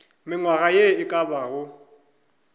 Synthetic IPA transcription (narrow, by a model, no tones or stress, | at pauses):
mɪŋwaɣajeɪkʼabaːɣʊ